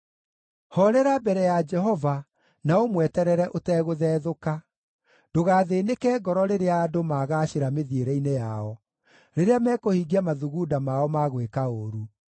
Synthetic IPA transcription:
hɔɾɛɾabɛɾɛjad͡ʒɛɦɔva | naomwɛtɛɾɛɾɛʔotɛːɣoðɛːðoka | d̥oɣaːðenekɛːɡɔɾɔɾeɾeaːdomaɣaːɕeɾameðieɾɛinejaɔ | ɾeɾeamɛːkohiɡiamaðuɣudamaɔmaɣwekaoɾu

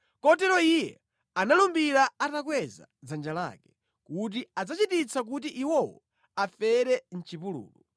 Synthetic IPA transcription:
kɔtɛɾɔijɛ̰ | analumbiɾaatakwɛza̰d͡zand͡ʒala̰kɛ̥ | kut̬iad͡zat͡ʃitit͡sʰak̬ut̬iʔiwɔwɔ̰ | afɛɾɛn̩t͡ʃipulṵːlu

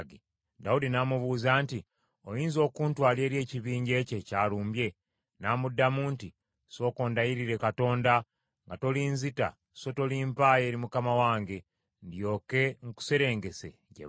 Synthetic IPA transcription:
ɡi | daudinamuβuːzaːnti | o̞jiːnzo̞ːkuːntwaːle̞ːɾje̞ːciβiːɲɟe̞ːce̞caːluːmbje̞ | naːmudːamuːnti | so̞ːko̞ːndajiɾiɾe̞kato̞ːnda | ŋɡato̞liːnzita̰ | so̞to̞liːmpaje̞ːɾimukamawaːŋɡe̞ | ndjo̞ːke̞ŋ̩ku̥se̞ɾe̞ːŋɡe̞se̞̰ | ɟḛ

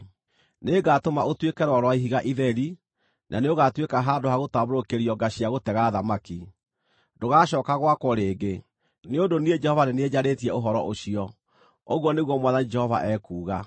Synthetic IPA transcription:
neɡatomaotwekɛɾwɔɾwaiɦiɣaʔiðɛɾi | nʔaneoɣatwekaɦaːdoɦaɣotaβoɾokeɾiɔɡaɕiaɣotɛɣaðamaki | doɣaːɕɔːkaɣwakwɔɾeːɡe | neondonied͡ʒɛhɔvaɾeneeɲaɾetiɛoɦɔɾɔʔoʃiɔ | oɣwɔneɣwɔmwaðanid͡ʒɛhɔva̰ʔɛkuːɣa

